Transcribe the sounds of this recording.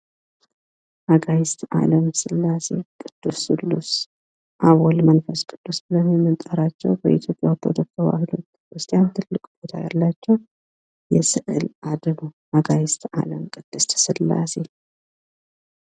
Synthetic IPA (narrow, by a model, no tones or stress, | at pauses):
ʔaɡajɪst̪ʰʔa̰ləmsɨlːase̞kʼɨd̪̥ːusːʼɨlːus | ʔaβɔlmənfəskʼɨd̪̥ːusbɨləmimːɨt̪ʼəɾat͡ʃːɛwbəʔit̪ʰjo̞pʼjawt̪ʰːo̰d̪ok̚t̪ʰəβa̰hɨlo̞̰t̪ː | kʰɾɨst̪ʼijant̪ʰɨlːɨkʼb̥o̞t̪ʰaja̰lːat͡ʃːɛw | jɛsɨʔɨlʔad̪ɨnoʔaɡajɪst̪ʰa̰ləmkʼɨd̪̥ːɨst̪ʰsɨlːa̰se̞